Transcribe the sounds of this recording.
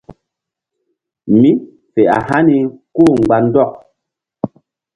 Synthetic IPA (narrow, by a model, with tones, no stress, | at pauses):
mi˦ | fɛ˨a̰˨ha˦ni˨koː˦˨ŋ̩˨ɡ͡ba˨n̩˦dɔ˦˨k̚